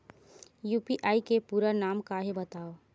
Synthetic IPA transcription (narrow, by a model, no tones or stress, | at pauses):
juːpiʔaːikepuːɾanaːmkaɦebɐt̪aːo